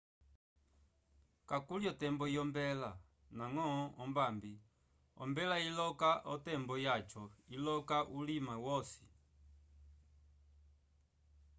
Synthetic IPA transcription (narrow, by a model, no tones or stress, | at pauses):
kakuljɔtɛmbɔiɔmbɛla | naŋɔɔmbambi | ɔ̰mbɛlailɔkaʔɔtɛmbɔjat͡ʃɔilɔkaʔulimawɔsi̥